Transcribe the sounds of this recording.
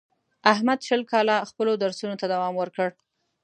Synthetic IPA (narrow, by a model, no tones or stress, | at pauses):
ahmad̪ʃəlkɑlaxpəlod̪aɾsunot̪ad̪awɑmwəɾkəɽ